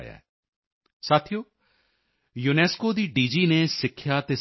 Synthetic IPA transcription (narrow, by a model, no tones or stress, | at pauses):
ja̰ːɛ̰ | saːt̪ʰijoː | junɛːskoːd̪iːɖiːd͡ʒiːneːsɪkʰːjaːt̪eː